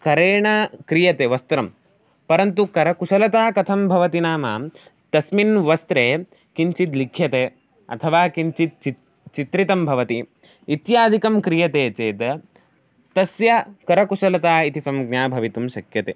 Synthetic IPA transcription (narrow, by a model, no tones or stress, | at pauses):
kɐɾeːɳɐkɾijɐt̪eːʋɐst̪ɾɐm | pɐɾɐnt̪̬ukɐɾɐkuʃɐlɐt̪aːkɐt̪ʰɐmbʱɐʋɐt̪inaːma̰ː | t̪ɐsminʋɐst̪ɾeː | kiɲt͡ʃit̪likʰːjɐt̪eː | ɐ̰t̪ʰɐʋaːkint͡ʃit̪̚t͡ʃi | t͡ʃit̪ɾit̪ɐmbʱɐʋɐt̪i | it̪jaːd̪ʱikɐmkɾijɐt̪eːt͡ʃeːt̪ | t̪ɐsjɐkɐɾɐkuʃɐlɐt̪aːit̪isɐmɡ̚njaːbʱɐʋit̪umʃɐkjɐt̪eː